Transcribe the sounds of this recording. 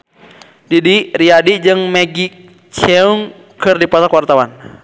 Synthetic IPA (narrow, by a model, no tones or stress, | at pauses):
didiriadid͡ʒɨŋmɛɡi | t͡ʃɛuŋ | kɨrdipɔsakwart̪awan